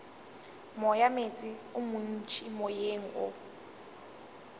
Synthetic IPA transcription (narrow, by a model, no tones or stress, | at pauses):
mɔjamet͡sʼɪʊmʊn̩t͡ʃʰimɔjeŋ̩ʔʊ̰